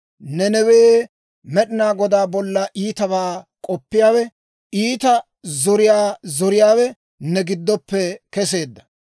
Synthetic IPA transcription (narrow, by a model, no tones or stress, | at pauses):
nɛnɛweː | mɛɗɪnaːɡɔd̪aːbɔlːɐʔiːt̪ɐβaːkʼɔpːɪjaːwɛ | iːt̪ɐ | zɔɾɪjaːzɔɾɪjaːwɛ | nɛɡɪd̪ːɔpːɛkɛse̞ːd̪ːɐ̥